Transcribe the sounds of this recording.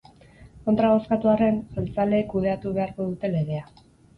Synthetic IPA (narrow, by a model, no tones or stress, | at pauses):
ko̞nt̪ɾaβ̞o̞skat̪uare̞nsalt͡sale̞ːkuð̞e̞at̪uβ̞e̞aɾko̞ðut̪e̞leɣ̞e̞a